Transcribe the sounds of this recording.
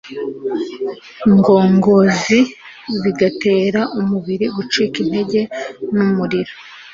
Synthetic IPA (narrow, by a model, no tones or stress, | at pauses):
ŋɡo̞ːŋɡo̞zi | ziɡate̞ːɾaʔumuβiɾiɡut͡ʃiːkin̥e̞ɟe̞numuɾiɾo